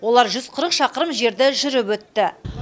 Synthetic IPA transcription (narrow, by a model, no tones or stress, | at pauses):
wo̞lˠɑɾʒʏzqʰəɾəqʃɑqəɾəmʒe̞ɾd̪ɪʒʏɾɪpwɵt̪ːɪ